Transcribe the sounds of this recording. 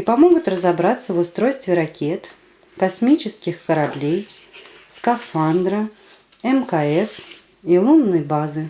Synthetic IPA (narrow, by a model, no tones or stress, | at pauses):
ipɐmoɡʊt̪rəzabɾat̪sːəvʊst̪ɾo̞jst̪vʲɪɾɐkʲet̪ | kɐsmʲit͡ɕɪskʲɪxkəɾablʲej | skafand̪ɾə | ɛmkɐɛs | ilˠunːɨjbazɨ